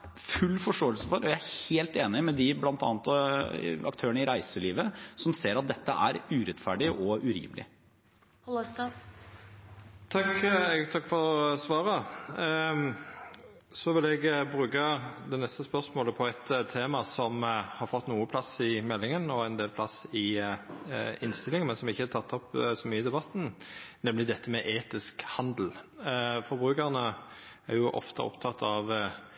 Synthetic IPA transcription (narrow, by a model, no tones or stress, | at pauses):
fʉlːfɔʂʈoːəlsəfɔɾɔjææheːlt̪eːnɪmɛd̪ɪblɑnt̪ɑ̰ːnt̪ɑɑ̰kt̪ʰøːəɳəɪɾæɪsəliːʋəsɔmseːɾɑt̪̚d̪ɛt̪ːəʔæ̰ɾʉːɾɛt̪fæːɖɪʔɔʉɾḭːmlɪ̰ | t̪ | t̪ʰɑkt̪ʰɑkːfɔɾsʋɑːɾə | sɔʋɪlɛɡbɾʉːkɑd̪ɛnɛst̪əspœʁsmoːləpʰɔɛt̪t̪ʰeːmɑsɔmhɑɾfɔt̪ːnuːəpʰlɑsɪmɛlːɪŋənɔɛnd̪eːlpʰlɑsɪ | ɪnst̪ɪlːɪŋmɛnsɔmɪçːəæt̪ʰɑt̪ːɔpsɔmyːəɪd̪ɛbɑt̪ːn̩nɛmlɪd̪ɛt̪ʰːəmɛʔeːt̪ɪskhɑnd̪l̩fɔɾbʁʉːkəʁnə | æʁɾjʊʔɔ̰ft̪ɑ̰ʔɔ̰pt̪ʰɑt̪ʰːɑʋ